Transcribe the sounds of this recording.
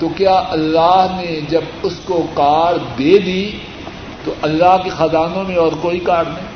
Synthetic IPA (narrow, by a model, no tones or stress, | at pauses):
t̪oːkjaːʔɐlːaːɦned͡ʒɐbʊskokaːɾd̪eːd̪i | t̪oʔɐlːaːɦkexɐzaːnõmẽɔːɾkoːikaːɾnɐĩ